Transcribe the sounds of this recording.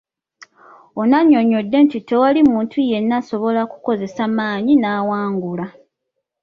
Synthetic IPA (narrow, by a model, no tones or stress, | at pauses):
o̞naɲːo̞ɲo̞dːe̞ntite̞walimuːntʰuje̞nːaso̞βo̞laku̥ko̞ze̞samaːɲinawaːŋɡula